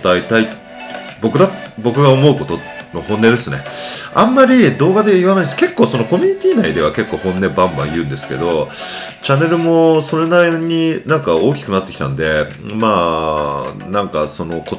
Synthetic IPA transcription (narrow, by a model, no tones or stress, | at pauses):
d̪̥ait̪ai | bo̞kɯ̟d̪abo̞kɯ̟ɡao̞mo̞ɯ̟ko̞t̪o̞no̞hõ̞nːe̞d̪e̞sɨne̞̰ãmːaɾʲid̪o̞ːɡad̪e̞iβanaĩnske̞kːo̞ːso̞no̞ko̞mʲiɲ̟it̪ʲiːnaid̪e̞βake̞kːo̞ːhõ̞nːe̞bãmbã̰ɰ̃jɯ̟̃nd̪e̞sɨ̥ke̞̰d̪o̞ | t͡ɕanːe̞ɾɯ̟mo̞so̞ɾe̞naiɲ̟inãŋkao̞ːkʲi̥kɯ̟nat̪ːe̞kʲi̥t̪ã̰nd̪e̞ | maː | nãŋkaso̞no̞ko̞